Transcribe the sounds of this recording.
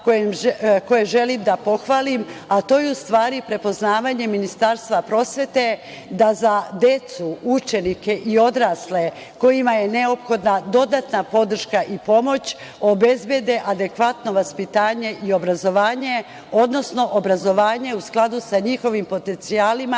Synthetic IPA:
koemko̞jeʒe̞limd̪apo̞xʋaːlimat̪o̞jeust̪ʋaːɾipɾe̞po̞znaːʋaɲe̞minist̪aːɾst̪ʋapɾo̞sʋe̞t̪e̞ | d̪azad̪e̞t̪suut͡ʃe̞nike̞ʔio̞d̪ɾaːsle̞ | ko̞jimaje̞ne̞o̞pxo̞d̪nad̪o̞d̪at̪napo̞d̪r̩ʃkaʔipo̞mo̞t͡ɕ | o̞be̞zbje̞d̪e̞ʔad̪e̞kʋat̪no̞ʋaspit̪aːɲe̞ʔio̞bɾazo̞ʋaːɲe̞ | o̞d̪no̞sno̞ʔobɾazo̞ʋaːɲe̞usklˠad̪usaɲixo̞ʋimpo̞t̪e̞nt̪siaːlima

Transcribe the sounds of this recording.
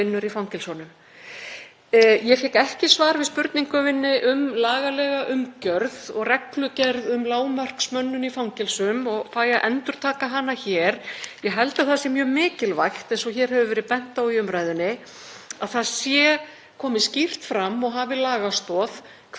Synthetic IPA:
ɪnːʏɾifawŋcɪlsɔnʏm | jɛfɛkɛhcɪsvaːɾvɪðspʏɾt̪niŋkʏvɪnːɪʔʏmlaːɣalɛɣaʔʏmcœɾðɔ̰ɣrɛklʏcɛɾðʏmlaːwmar̥ksmœnːʏnifawŋcɪlsʏmɔɣfaːjaʔɛnt̪ʏɾ̥t̪ʰaːkaɦanːaçɛːɾjɛɦɛlt̪aθasɪmjœːmɪːcɪlvajxt̪ɛnsɔçɛːɾ̥ɦɛvʏvɛːɾɪpɛn̥t̪awiʏmɾajðʏnːɪ | aðθaðsjɛ | kʰɔːmɪscir̥t̪fɾamːɔɣɦavɪlaːɣast̪ɔːð | kʰ

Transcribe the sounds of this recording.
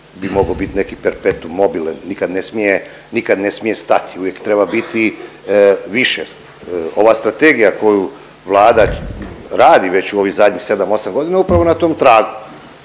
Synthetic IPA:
bimo̞ɡabit̪ine̞kipeɾpet̪uːo̞bilanːikad̪nesmije | nikad̪ne̞smije̞st̪at̪iuvʋje̞kt̪ɾe̞babit̪i | ʋiʃe | o̞ʋast̪ɾat̪e̞ɡijako̞ju | ʋlˠaːd̪aɾaːd̪iʋe̞t͡ɕuo̞ʋixzad̪ʲɲixse̞d̪amo̞samɡo̞d̪inaupɾaʋo̞nat̪o̞ːmt̪ɾaːɡu

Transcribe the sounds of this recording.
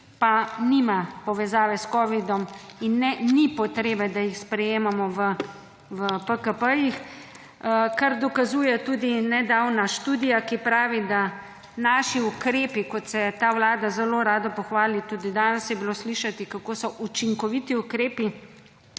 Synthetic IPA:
panimapɔʋɛzaːʋɛskɔːʋid̪ɔminːɛnipɔt̪ɾeːbɛd̪ajixspɾɛjeːmamɔʋə | ʋəpəkəpəjix | kaɾd̪ɔkazuːjɛt̪uːd̪inɛd̪awnaʃt̪uːd̪ijakipɾaːʋid̪a | naːʃiukɾeːpikɔt̪sɛt̪aːwlaːd̪azɛloɾaːd̪ɔpɔxʋaːlit̪uːd̪id̪aːnɛsjɛbilosliʃat̪ikakoːsɔʔut͡ʃiŋkɔʋit̪iukɾeːpi

